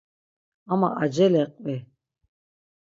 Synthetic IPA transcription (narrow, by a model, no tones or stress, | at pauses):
ama̰ʔad͡ʒɛlɛqʼwi